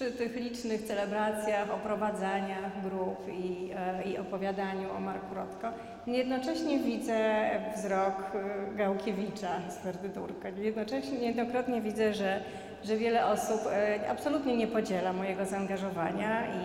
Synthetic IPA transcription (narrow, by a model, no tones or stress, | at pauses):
ʂɘt̪ɘxlʲit͡ʂnɘxt̪sɛlɛbɾat̪sʲjaxɔpɾɔvad̪zaɲaxɡɾupiiɔpɔvʲjad̪aɲuɔ̰maɾkuɾɔt̪kɔ | ɲjɛd̪nɔt͡ʂɛɕɲɛvʲid̪zɛvzɾɔkɡawkʲevʲit͡ʂasp̪ɛɾd̪ɘt̪uɾkaɲjɛd̪nɔt͡ʂɛɕɲjɛd̪nɔkɾɔt̪ɲɛvʲid̪zɛʐɛ | ʐɛvʲjɛlɛʔɔsupa̰psɔlut̪ɲɛɲɛpɔd͡ʑɛlamɔjɛɡɔzaːŋɡaʐɔvaɲai